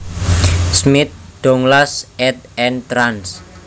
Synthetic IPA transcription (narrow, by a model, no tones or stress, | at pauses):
smɪt̪̚ɖ̥ɔŋlasɛt̪̚ɛnt̪ɾans